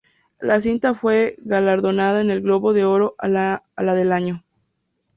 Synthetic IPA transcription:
las̬int̪afwe̞ɣalaɾðo̞naðaene̞lɣlo̞βo̞ðe̞o̞ɾo̞ʔa | alaðe̞laɲo̞

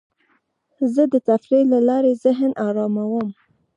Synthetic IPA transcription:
zəd̪ət̪afɾilalɑɾezɪɦnɑɾɑmawəm

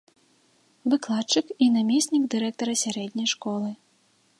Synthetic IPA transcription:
vɨklˠat͡ʂɨkinamʲɛsʲnʲiɡd̪ɨɾɛk̚t̪ɐɾɐsʲaɾɛd̪ʲnʲɐjʂkɔlˠɨ

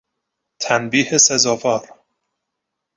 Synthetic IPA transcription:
t̪ʰænbiːhesezɒːvɒːɾ

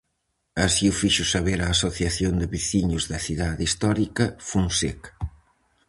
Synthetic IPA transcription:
ɐsiufiʃʊsɐβeɾaːsoθjɐθjond̪ɪβiθiɲʊzðɐθiðaðist̪ɔɾikɐfuŋsek

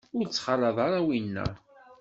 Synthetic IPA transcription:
ʊɾt͡sːχɑlˤɑðˤɑɾˤɑwinːæ̰

